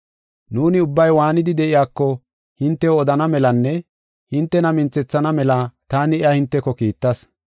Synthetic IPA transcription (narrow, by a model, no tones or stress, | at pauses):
nuːnɪʊbːɐjwaːnɪd̪ɪd̪ɛʔɪjaːkːɔ | hɪnt̪ːɛɔd̪ɐnɐmɛlɐnːɛ | hɪnt̪ːɛnɐmɪnt͡sːɛt͡sːɐnɐmɛlɐt̪aːnɪɪjahɪnt̪ːɛkːɔkiːt̪ːɐs